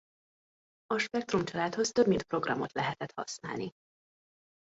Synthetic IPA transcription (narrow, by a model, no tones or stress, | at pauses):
ɒʃpɛk̚t̪ɾumt͡ʃɒlaːt̪ho̞st̪øbmint̪̚pro̞ɡrɒmo̞t̪lɛɦɛt̪ɛt̪hɒ̰sna̰ːlni